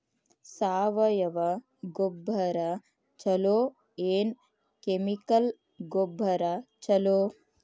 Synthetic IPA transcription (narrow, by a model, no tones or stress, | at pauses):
saːʋɐjɐʋɐ | ɡobʱːɐɾɐ | t͡ʃɐloː | eːn | kemikɐl | ɡobʱːɐɾɐt͡ʃɐloː